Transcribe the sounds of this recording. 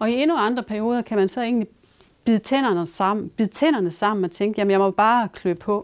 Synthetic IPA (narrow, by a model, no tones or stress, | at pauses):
ɒ̽ie̝nuɑ̈nd̥ʁɐpʰæɐio̝ːð̞ˠɐkʰæmænsɒ̽e̝̰ːnli | b̥ið̩ˠt͡sʰen̰ɐnəsɑ̈m̰n̩b̥iðˠt͡sʰen̰ɐnəsɑ̈m̰n̩ɒ̽t͡sʰeŋɡ̥əjæmnjɑ̈ɪmɒ̽b̥ɑ̈ːkʰløb̥pʰɒ̽